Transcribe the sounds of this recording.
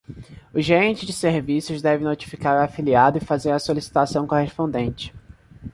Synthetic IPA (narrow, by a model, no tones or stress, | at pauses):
ʊʒeɾẽnt͡ʃɪd͡ʒɪseɾvisʊzd̪ɛvɪnot͡ʃi̥fi̥kaɾʊafiliad̪ʊɪfazeɾɐsolisi̥t̪asɐ̃w̃kohespõnd̪ẽnt͡ʃɪ̥